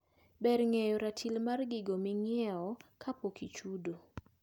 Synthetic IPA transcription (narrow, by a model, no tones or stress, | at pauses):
bɛɾŋejɔɾatʰilmarɡɪɡomiŋɪɛɔkʰapokit͡ʃudo